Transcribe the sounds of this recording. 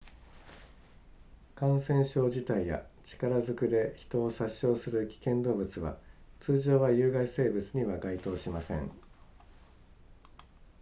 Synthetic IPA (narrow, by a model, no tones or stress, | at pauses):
kãɰ̃sẽ̞ɰ̃ɕo̞ːʑit̪aija̰t͡ɕi̥kaɾazɨkɯ̟d̪e̞çi̥t̪o̞ːsaɕːo̞ːsɨɾɯ̟kʲi̥kẽ̞nd̪o̞ːbɯ̟t͡sɨβa̰t͡sɨːʑo̞ːβajɯ̟ːɡaise̞ːbɯ̟t͡sɨɲ̟iβaɡait̪o̞ːɕimasẽ̞̰ŋ